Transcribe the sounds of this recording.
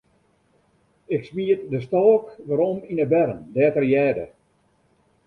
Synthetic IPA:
ɪksmiətdəstɔːkʋaɾɔminəbɛɾəndɛːtərjɛːdə̰

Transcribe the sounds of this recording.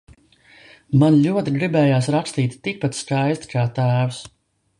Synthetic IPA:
manlʲuɔt̪iɡɾibɛːjaːsɾakst̪iːt̪ːik̚pat̪skajst̪kʰaːt̪æːws

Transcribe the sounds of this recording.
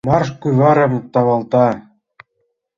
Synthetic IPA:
mɑrʃkujβɑɾɤ̆mt̪ɑβɑlt̪ɑ

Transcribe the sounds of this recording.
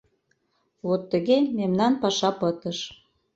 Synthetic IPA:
vot̪ːəɣememnɑnpɑʃɑpət̪əʃ

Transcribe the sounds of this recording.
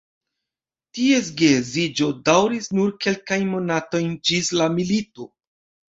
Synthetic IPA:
ties̬ɡezid͡ʒo̞dawɾisnuɾke̞lkajnmo̞nato̞jnd͡ʒislamilito̞

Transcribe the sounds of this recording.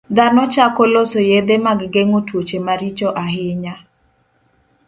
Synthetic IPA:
d̪anɔt͡ʃakɔlosojed̪emaɡɡeŋotwot͡ʃemaɾit͡ʃoʔaɦɪɲa

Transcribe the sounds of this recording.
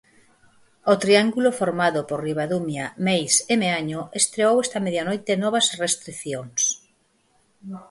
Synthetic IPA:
ot̪ɾiaŋɡulofoɾmaðʊporriβaðumjamejsemeaɲoest̪ɾeowest̪ɐmeðjanojt̪enɔβ̞ɐsrest̪ɾiθjoŋs

